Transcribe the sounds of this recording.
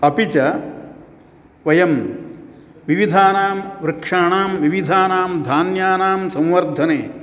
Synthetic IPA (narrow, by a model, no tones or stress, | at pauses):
ɐpit͡ʃɐ | ʋɐjɐm | ʋiʋid̪ʱaːnaːmʋɾɨkʂaːɳaːmʋiʋid̪ʱaːnaːmd̪ʱaːnjaːnaːmsɐ̃mʋɐɾd̪ʱɐneː